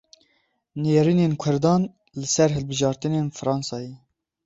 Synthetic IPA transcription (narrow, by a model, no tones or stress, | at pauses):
neːɾiːneːnkʷʰʊɾd̪ɑːn | lɨsɛɾɦɨlbɨʒɑːɾt̪ɨneːnfɨɾɑːnsɑːje